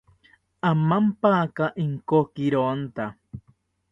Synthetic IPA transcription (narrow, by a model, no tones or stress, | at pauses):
amampakaʔiŋkokiɾont̪a